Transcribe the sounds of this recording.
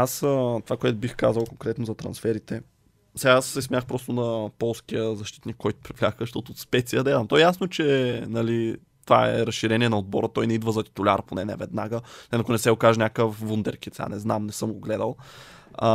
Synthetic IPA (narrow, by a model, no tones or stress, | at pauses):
asət̪ovakoɛt̪ʊbixkazəlˠkoŋkɾɛt̪nozɐt̪ɾɐ̰nsfɛɾit̪ɛ | sɛɡaasːɛsmʲjaxpɾɔst̪ʊnɐpɔlˠskiəzɐʃt̪i̥t̪nikːɔjt̪ʊ̥pɾivlʲaxkəʃt̪ɔt̪oːt̪spɛt̪sijəd̪ɐad̪ɐmt̪ɔɛjasnot͡ʃɛnɐli | t̪ova̰ɛ̰ɾɐsʃiɾɛnʲiɛnɐod̪̚bɔɾət̪ɔjnɛid̪vəzɐt̪i̥t̪ʊlʲa̰ɾponɛnɛ̰vɛd̪naɡəɛnɐkʊnɛsɛɡokaʒɛnʲakəfvund̪ɛ̰ɾkʲit̪ɛa̰nɛznamnɛsɤmɡoɡlɛd̪əlˠ